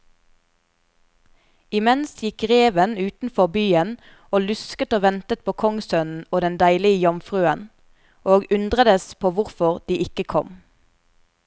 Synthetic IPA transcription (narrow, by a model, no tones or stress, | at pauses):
ɪmɛnsjɪkʁeːʋənʉːt̪n̩fɔʁbyːən | oːlʉskət̪oːʋɛnt̪ət̪̚pʰoːkʰɔŋsœnn̩oːd̪ɛnd̪æɪlɪəjɑmfʁʉːən | ʔoːɡʉnd̪ʁəd̪əspʰoːʋʊʁfɔʁd̪̥iːʔɪkəkʰɔm